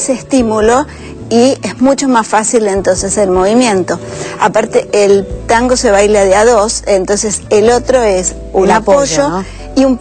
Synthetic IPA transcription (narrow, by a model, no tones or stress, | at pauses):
seest̪imulo̞ | iezmũt͡ʃomasfasile̞nt̪o̞nse̞selmo̞βimjẽ̞nt̪o̞a̰paɾt̪eʔelt̪aŋɡo̞se̞βajlaðeaðo̞sent̪o̞ns̬eselot̪ɾo̞es | unapoʒo | iump